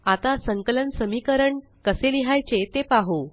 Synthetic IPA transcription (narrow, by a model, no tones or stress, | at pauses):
at̪asəŋklənsəmikəɾəɳ | kəseliɦajt͡ɕet̪epaɦo